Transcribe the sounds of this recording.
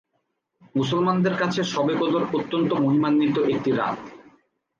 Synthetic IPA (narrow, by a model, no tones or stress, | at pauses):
musolmand̪eɾkat͡ɕʰeʃɔbekod̪oɾot̪ːont̪omoɦimanːit̪oʔek̚ʈiɾa̰